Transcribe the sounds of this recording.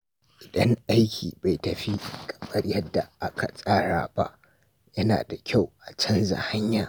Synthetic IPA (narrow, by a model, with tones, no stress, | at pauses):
ʔɪ˨dɐ˦ŋʔa˦jkʲʰḭː˨ba˨jtɐ˨ɸi˦kʼɐ̥˨ɓɐ˦ɽjɐ˦dːa˨ʔa˦ka˨sʼaː˦ɽa̰ː˨ba̰˦ʔ | jɐ˦na̰ː˨da˨kʲa˦˨wʔa˨t͡ʃɐ˦nza̰˨ha˦ɲjaː˨